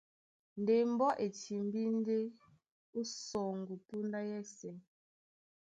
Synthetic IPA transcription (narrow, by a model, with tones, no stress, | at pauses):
n˨de˨m̩˦bɔ˦ʔe˨tʰi˨m˨bi˦n˦de˦ | u˦sɔ˨ŋ˨ɡu˨pu˦nda˦jɛ˦˨sɛ˨ŋ